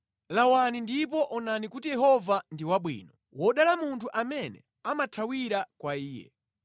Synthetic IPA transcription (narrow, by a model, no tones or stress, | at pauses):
lawanindip̬ɔʔɔnanikutijɛɦɔvandiwaɓwḭːnɔ | wɔɗalamuntʰuʔamɛnɛ̰ | amatʰawiɾakwaiːjɛ̰